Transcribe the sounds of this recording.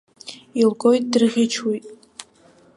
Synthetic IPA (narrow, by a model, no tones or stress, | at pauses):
ilɡʼojtʼdrʁʲɪt͡ʃʰwijtʼ